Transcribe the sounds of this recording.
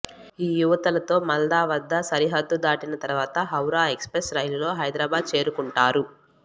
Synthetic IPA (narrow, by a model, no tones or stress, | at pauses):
iːjuʋɐt̪ɐlɐt̪o̞ːmɐld̪aːʋɐd̪ʱːɐsɐɾiɦɐd̪ːud̪aːʈinɐt̪ɐɾʋaːt̪ɐɦɐwɾaːekspɾesɾɐjlulo̞ːɦɐjd̪ɾaːbaːd̪̚t͡ʃe̞ːɾukuɳʈaːɾu